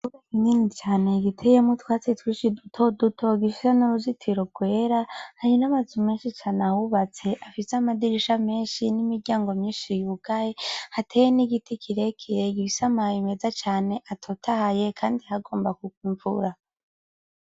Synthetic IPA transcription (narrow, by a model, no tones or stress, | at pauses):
uβakininit͡ʃaːne̞ɡitʰejemutwaːt͡setwiːʃidutʰodutʰo̞ɡifisenoɾuzitʰiɾo̞ɡwe̞ːɾahaɾinamazume̞ːnʃit͡ʃaːnawuβat͡se̞ʔafiseamadiɾiʃame̞ːnʃinimiɾɟaːŋɡo̞mɲiːnʃijukajehatʰejeniɡitikʰiɾekʰiɾeɡifisamajime̞zat͡ʃaːne̞ʔatʰotʰahaje̞kʰaːndihaɡo̞ːmbakukwiːɱvṵɾa